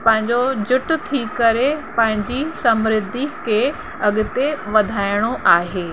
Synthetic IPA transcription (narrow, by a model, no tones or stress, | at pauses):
pɐ̃ɦɪ̃ɲd͡ʑod͡ʑʊʈʊ̆t̪ʰikɐɾepɐ̃ɦɪ̃ɲd͡ʑisɐmɾɪd̪ʱikʰe | ɐɠʊ̆t̪eʋɐd̪ʱaːɪɽ̃oʔaːɦeː